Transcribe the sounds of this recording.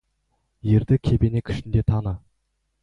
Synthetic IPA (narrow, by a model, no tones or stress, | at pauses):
je̞ɾd̪ɪkʲʰe̞pe̞nekʲʰɪ̥ʃɪnd̪e̞t̪ʰɑnə